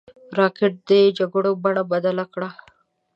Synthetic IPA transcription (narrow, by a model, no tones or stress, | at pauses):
ɾɑkɪʈ̚d̪ed͡ʒaɡoɽobaɳabad̪alakɽa